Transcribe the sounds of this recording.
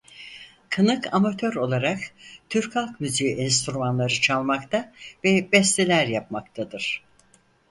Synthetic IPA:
kʰɯnɯkʰa̰mat̪ʰøɾo̞lˠaɾakt̪ʰyɾkʰalˠkmyzyːʔɛnst̪ɾumanlˠaɾɯt͡ʃʰalˠmakt̪ʰavɛbɛst̪ʰelʲæɾjapmak̚t̪ʰad̪ɯɾ̥

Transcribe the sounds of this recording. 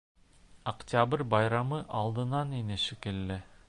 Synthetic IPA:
ɐktʲabɾʲbɑjɾɑmɤʔɑlˠd̪ɤ̆nɑninɘʃikɘlːɘ

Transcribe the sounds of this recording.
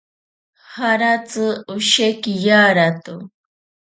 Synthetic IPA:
haɾat͡sɨuʃekijaːɾat̪u

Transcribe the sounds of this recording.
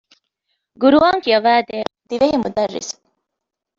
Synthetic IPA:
ɡuɾuʋaːŋkiɐʋæːd̪eːd̪iʋeɦimud̪ɐrːḭs

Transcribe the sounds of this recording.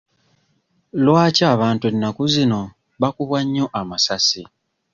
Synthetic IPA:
lwaːcaːβaːntwenːakuzino̞ | βakuβwaɲːo̞ʔamasasi

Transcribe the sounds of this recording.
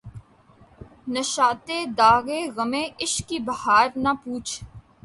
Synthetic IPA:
nəʃaːt̪eːd̪aːɣeɣəmẽːʔɪʃkibɐhaːɾnapuːt͡ʃʰ

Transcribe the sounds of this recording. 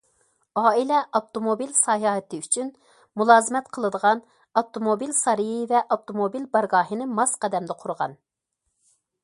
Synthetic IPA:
ɑːilɛʔɑp̚t̪omobilsɑɦɑːɦɛt̪ɨyt͡ʃʰyn | mulˠɑːzɨmɛt̪qʰəlˠɨd̪əʁɑn | ɑp̚t̪omobilsɑɾɨjivɛʔɑp̚t̪omobilbɑɾɡɑːɦinɨmɑsqɑd̪ɛmd̪ɛqʰʊɾʁɑ̰n

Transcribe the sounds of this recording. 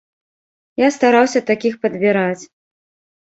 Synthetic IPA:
jast̪aɾawsʲɐt̪akʲixpɐd̪bʲiɾat͡sʲ

